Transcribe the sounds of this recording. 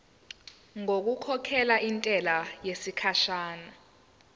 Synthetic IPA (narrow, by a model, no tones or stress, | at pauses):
ŋok̬ukʰɔkʰɛlaʔintʼɛlajesikʰaʃaːna